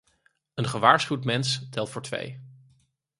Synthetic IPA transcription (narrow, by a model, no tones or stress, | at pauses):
ənχəʋaːɹsχywtmɛnstɛlˠtfʊːɹtʋḛj